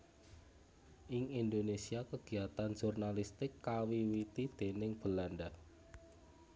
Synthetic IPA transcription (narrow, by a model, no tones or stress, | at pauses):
ʔɪŋind̪onesiakəɡ̥i̤at̪anʒ̥urnalist̪ɪkːawiwit̪id̪̥e̤nɪŋb̥ə̤lanɖah